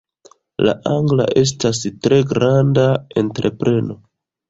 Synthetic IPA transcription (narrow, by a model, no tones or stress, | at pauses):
la̰ʔaŋɡla̰ʔe̞s̬tas̬tɾe̞ɡɾandae̞ntɾe̞pɾe̞no̞